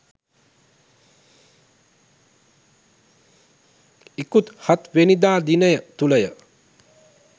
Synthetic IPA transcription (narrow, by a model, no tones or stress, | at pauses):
ikut̪hat̪ʋenid̪aːd̪inəjət̪uləjə